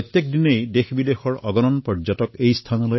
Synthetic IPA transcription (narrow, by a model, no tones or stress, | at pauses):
jt̪jek̚dinejdexbidexɔɹɔɡɔnɔnpɔɹd͡ʒatɔkejstʰanɔloj